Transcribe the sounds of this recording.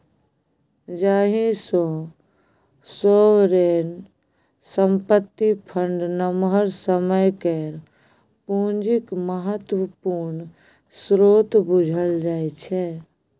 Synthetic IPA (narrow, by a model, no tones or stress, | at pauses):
d͡ʒaːɦĩso | soːwɾeːn | səmpət̪ːipʰə̃ɳɖnəmɦəɾsəməjkeɾ | pũːnd͡ʒɪkməɦət̪wəpuːɾn | sɾoːt̪bʊd͡ʒʱəld͡ʒaːet͡ʃʰɛː